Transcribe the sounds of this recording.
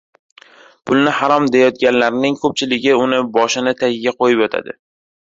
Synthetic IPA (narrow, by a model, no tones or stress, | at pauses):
pʰʊlˠnɪhaɾɒmd̪ejɒt̪̚ɡʲanlaɾnɪŋkʰɵp̚t͡ʃʰɪlɪɡʲɪʊnɪbɒʃɪnɪt̪ʰaɡɪɡʲaqʰojɪpɒt̪ʰa̰d̪ɪ